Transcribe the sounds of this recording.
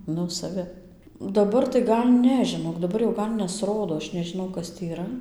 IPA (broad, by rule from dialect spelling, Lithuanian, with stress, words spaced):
ˈnʊ sɐˈʋʲɪ dɐˈbɐr tɐɪ ˈɡɐlʲ ˈnʲɛ ʒʲɪˈnoːk dɐˈbɐr jɛʊ ˈɡɐlʲ nʲɛsˈroːdoː ˈɐʃ nʲɛʒʲɪˈnɐʊ ˈkɐs tʲiː iːˈrɐ